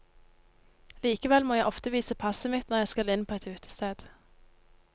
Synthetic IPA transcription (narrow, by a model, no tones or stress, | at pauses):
liːkəʋɛlmoːjæɪʔɔft̪əʋiːsəpʰɑsəmɪt̪nɔʁjæɪskɑlɪnpʰoːɛt̪ʉːt̪ʰə̥st̪eːd̪̥